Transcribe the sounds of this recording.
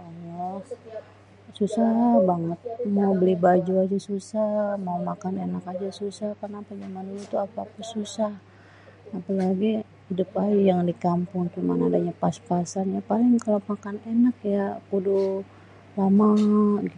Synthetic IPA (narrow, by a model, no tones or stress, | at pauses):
anah | susahbaŋət̪̚maubəlihbad͡ʒuad͡ʒasusamaumakanenakad͡ʒasusahkərnapad͡ʒamaniɲat̪uapapasusah | apalaɡi | idup̚aijaŋdikampʊŋkimanadaɲapaspasanjapalɪŋkalamakanenak̚jakudu | lamaɡi